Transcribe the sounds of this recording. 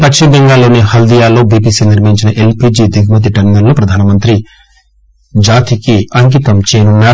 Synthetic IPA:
pɐt͡ʃːimbeŋɡaːlːoːnihɐld̪ijaːloːbiːpiːsiniɾʋiɲt͡ʃinɐʔelpiːd͡ʒid̪ʱiɡmɐt̪̬iʈɐɾmeɾlopɾɐd̪ʱaːnɐmɐnt̪ɾi | d͡ʒaːt̪ikiɐŋkit̪ɐmt͡ʃeːnunɐ

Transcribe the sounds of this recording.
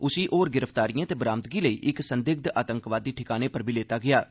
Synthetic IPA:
ʊsiːʔoːɾɡɪɾəpʰt̪aːɾijãːt̪eːbɾaːmt̪ɡiːləḭːʔɪksənd̪ɪɡ̚d̪aːt̪ə̃ŋkʋaːd̪iːʈʰɪkaːneːpəɾbʱiːleːt̪aːɡɪaː

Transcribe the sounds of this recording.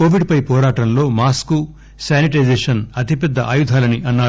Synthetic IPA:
koːʋiɖ̚pɐjpɔːɾaːʈɐmlo̞ːmaːsku | saːniʈ̬ɐjzeːʂɐnɐt̪ipɛd̪ːɐʔaːjud̪ʱaːlɐniʔɐnːaː

